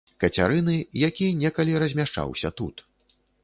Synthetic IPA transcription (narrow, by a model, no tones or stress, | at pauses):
kɐt͡sʲaɾɨnɨjakʲinʲɛkɐlʲiɾɐzʲmʲaʂt͡ʂa̰wsʲɐt̪ṵt̪